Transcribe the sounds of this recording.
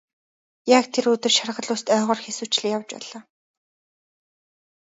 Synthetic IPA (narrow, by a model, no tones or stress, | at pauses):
jakt̪ʰeɾɵt̪ɵ̆rʃarʁə̆ɮʊːst̪œːʁɔːrxesuːt͡ɕɮɘ̆jawt͡ɕpæ̰ːɮaː